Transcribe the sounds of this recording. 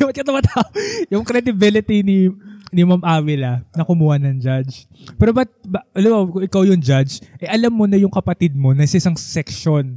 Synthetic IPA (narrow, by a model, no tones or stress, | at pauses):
bɐt̪̚kɐt̪ɐmɐt̪aojʊŋkɾɛd̪ɪbɪlɪt̪ininɪmamʔaːwɪlɐnɐkʊmuːhɐnɐŋd͡ʒad͡ʒ | pɛːɾobɐt̪̚bɐɐlɐbɐkʊŋʔɪkawjʊŋd͡ʒad͡ʒʔɛʔɐlamːo̞nɐjʊŋkɐpɐt̪ɪd̪̚mo̞nɐsɐʔɪsaŋsɛkʃon